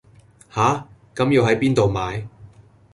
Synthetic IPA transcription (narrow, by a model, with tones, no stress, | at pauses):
haː˨˥kɐ˨˥mjiː˨˧wɦɐ˨˥jpiː˥nt̪o˨wmaː˨˧j